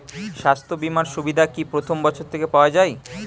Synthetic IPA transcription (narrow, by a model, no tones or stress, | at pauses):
ʃast̪ʰobimanʃubid̪ʱakipɾot̪ʰombɔt͡ɕʰoɾt̪ʰekepaoad͡ʑaj